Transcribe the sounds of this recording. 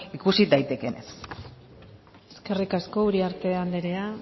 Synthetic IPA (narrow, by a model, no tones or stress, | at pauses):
ikusid̪ajt̪e̞ke̞nes | eske̞rikasko̞uɾiaɾt̪e̞and̪eɾe̞a